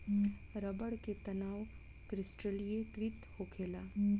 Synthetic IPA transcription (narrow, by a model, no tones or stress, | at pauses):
ɾɐbəɽket̪ɐnaːw | kɾɪsʈəlijeɡɾɪt̪hokʰeːlaː